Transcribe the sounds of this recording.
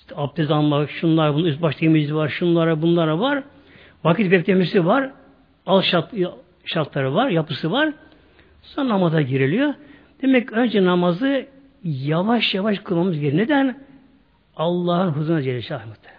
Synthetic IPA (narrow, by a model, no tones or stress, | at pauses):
ʃt̪ʰɛap̚t̪ʰezanmaʃunlˠaɾbunysbaʃt̪ʰemid͡ʒisivaɾʃunlˠaɾabunlˠaɾavaɾ | vakʰit̪bɛk̚ʲt̪ʰʲemiɾsivaɾ | alˠʃa | ʃaɾt̪lˠaɾɯvaɾjapɯsɯvaɾ | sonnamazaɟiɾilʲijo | d̪̥e̞mɛcønd͡ʒɛnamazɯ | javaʃjavaʃkʰɯlˠmamɯzjeɾined̪æn | ɑlˠːaːhɯnɦɯzɯnad͡ʒelʲisiajmɯt̪ʰɯ̥